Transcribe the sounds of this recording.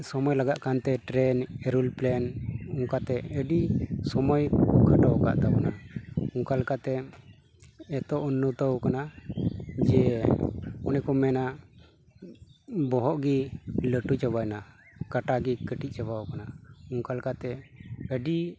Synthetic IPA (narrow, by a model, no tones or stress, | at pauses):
sɔmɔjlaɡaʔkant̪ɛʈɾɛnɛɾulplɛnɔŋkat̪ɛəɖisɔmɔjkʰaʈawka̰ʔt̪abɔnaɔŋkalkat̪ɛ | ɛt̪ɔʔunːət̪awkana | d͡ʒɛ | ɔnɛkɔmɛna | bɔɦɔʔɡiləʈut͡ʃabajna | kaʈaɡikəʈit̪̚ˀt͡ʃabawkanaɔŋkalkat̪ɛəɖi